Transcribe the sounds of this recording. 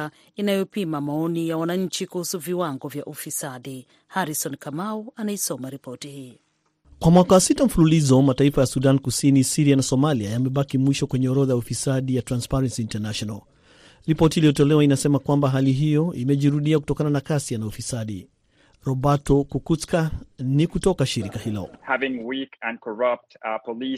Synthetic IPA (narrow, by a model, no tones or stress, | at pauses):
a | inajɔpimamaɔnijawanaɲ̩t͡ʃikuhusuviwaŋɡɔvjaʔufisaɗi | haɾisɔnkamauanaisɔmaɾipɔtihiː | kwamwakawasitam̩fululizɔmataifajasuɗankusinisiɾianasɔmaliajamɛɓakimwiʃɔkwɛɲɛɔɾɔðajaufisaɗijatɾanspaɾɛnsiːntɛnaʃɔnal | ɾipɔtiːlijɔtɔlɛwainasɛmakwambaɦaliɦijɔʔimɛʄiɾuɗiakutɔkananakasianaufisaɗi | ɾɔbatɔkukuskanikutɔkaʃiɾikahilɔ̰hævɪ̃ŋwikɨ̃nkʰə˞ʌp̚tpʰəli